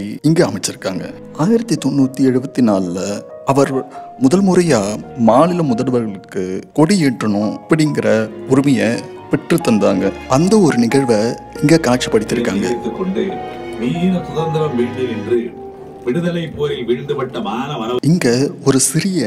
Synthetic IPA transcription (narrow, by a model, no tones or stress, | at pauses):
iɪŋɡeːɐmɐɪt͡ʃːɪɾɯkːaːŋɡɐ̰ | aːjɪɾɐt̪ːit̪ɔnːuːt̪ːiɛɻɯbɐt̪ːinaːllɐ | ɐʋɐɾmʊðɐlmʊɾɐjaːmaːɭɪlɐmʊðɐlɯʋɐɾɣɐɭɯkːɯkɔɽijeːʈrɐɳʊ̃ɐpːɐɽɪŋɡɪɾɐʊɾɪmɐjɐ | pɪʈrɯt̪ːɐnd̪aːŋɡɐɐnd̪ɐɔɾɯnɪɣɐɻʋɐ | ɪŋɡeːkaːʈ̚t͡ʃipːɐɽɪt̪ːɪɾɯkːa̰ːŋɡɐ̰ɪt̪ːɯkːɔɳɖɯniːɪnɐsʊðɐnd̪ɐɾɐmʋɪɻɳd̪ɯɛndrɯ | ʋɪɽɯðɐlɐɪpːoːjʋɪɻɳd̪ɯpɐʈːɐmaːnɐʋɐnɐɪŋɡɐɔɾɯsɪɾɪjɐ